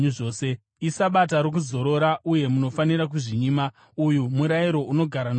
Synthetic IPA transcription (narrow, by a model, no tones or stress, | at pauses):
uʐoːse̞ | isaɓataɾok̬uzo̞ɾo̞ɾaʔuje̞muno̞faniɾak̬uʐiɲiːma | ujumuɾaiɾo̞ʔuno̞ɡʱaɾano